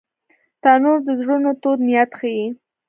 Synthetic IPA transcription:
t̪ɑnoɾd̪əzɽunot̪od̪nijat̪xaji

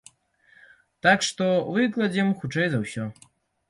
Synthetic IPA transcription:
t̪akʂt̪ɔvɨklˠɐd͡zʲimxut͡ʂɛjzɐwsʲɔ

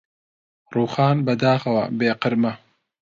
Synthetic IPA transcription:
ruːxaːnbɐd̪aːxɐwɐ̰beːqɨɾmɐ

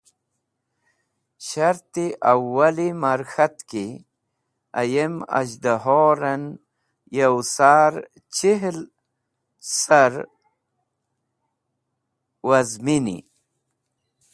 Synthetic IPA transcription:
ɕɐɾt̪iʔɐwːalimaɾxɐt̪ki | a̰jemɐ̰ʑd̪aɦoːɾɐn | jawsaːɾ | t͡ɕiɦl | saɾ | wɐzminḭ

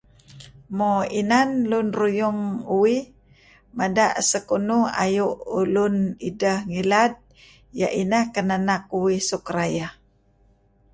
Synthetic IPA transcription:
moinanlunrujuŋuwih | madaʔsəkunua̰juʔulunidəhŋilad̚ | jaʔinahkənanak̚uwisukɾaja

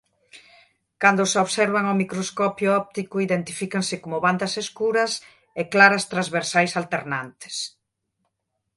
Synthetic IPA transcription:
kand̪ʊsoβsɛɾβɐŋomikɾoskɔpjʊɔp̚t̪ikʊiðent̪ifikɐŋsɪkomʊβand̪ɐseskuɾɐs | eklaɾɐst̪ɾazβeɾsajsalt̪eɾnant̪ɪ̥s

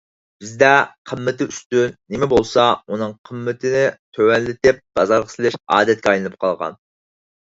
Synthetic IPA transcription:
b̥ɪzd̪ɛqʰəmːɪt̪ɪyst̪ynːɪmɛbolˠsɑunɨŋqʰəmːɪt̪ʰɪnɪt̪ʰøwɛnlɪt̪ɪp̚b̥ɑzɑɾʁɑsɪlˠɪʃɑ̰ːd̪ɛt̪̚kʲɛɑjlɨnɨp̚qʰɑlˠʁɑ̰n

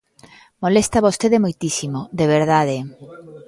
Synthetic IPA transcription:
molest̪aβost̪eðemojt̪isimod̪eβeɾðaðe

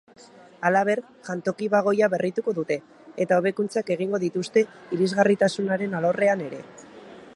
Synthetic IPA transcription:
alaβ̞e̞ɾ | ʝant̪o̞kiβaɣ̞o̞jaβe̞rʔit̪uko̞ðut̪e̞ː | t̪ao̞β̞e̞kunt͡sake̞ɣ̞iŋɡo̞ðit̪ust̪e̞iɾizɣarit̪asunaɾe̞nalo̞re̞ane̞ɾe̞̰

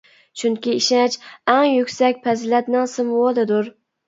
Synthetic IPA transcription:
t͡ʃʰyŋkʲiiʃɛt͡ʃɛŋjykʲsɛkʲpʰɛzlɛt̪nɪŋsɪmwod̪ɨd̪ʊɾ

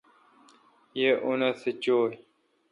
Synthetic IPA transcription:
jeʔunɐset͡ɕoː

